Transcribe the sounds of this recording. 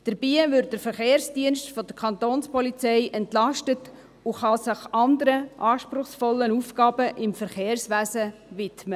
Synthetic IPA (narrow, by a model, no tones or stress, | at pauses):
d̥əɾb̥iːvʏɾd̚d̥əɾfəɾχeːɾsd̥iənʃtfɔd̥əkʰɑnt̪oːnspɔlit͡sɛɪʔɛntlɑʃtət | ʊχɑsɪχɑnd̪əɾəʔɑːʃpɾʊχsfɔlːənufɡ̥ɑːb̥əʔɪmfəɾχeːɾsʋæːsəvɪtmə